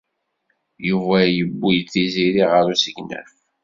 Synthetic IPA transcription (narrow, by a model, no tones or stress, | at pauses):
juvæjəbːijθiziɾiʁəɾusəɡnæ̰f